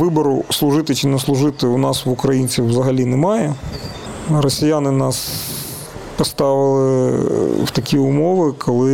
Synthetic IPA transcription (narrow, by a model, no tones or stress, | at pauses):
ʋɪbɔɾʊslˠʊʒɪt̪ɪt͡ʃɪnɛslˠʊʒɪt̪ɪʊnɑswʊkɾɐjinʲt͡sʲiwːzɐɦɐlʲinɛmɑjɛ | rɔsʲijanɪnɑs | pɔst̪ɑʋɪlˠɪ | wt̪ɐkʲiʊmɔʋɪkʰɔlˠɪ